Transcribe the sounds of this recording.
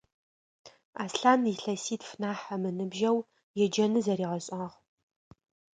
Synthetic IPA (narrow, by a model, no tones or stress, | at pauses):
aːsɬaːniɬɐsiːtfnaːħɐmɨnɨbʒɐw | jɛd͡ʒɐnɨzɐriːʁɐɕʼɐʁ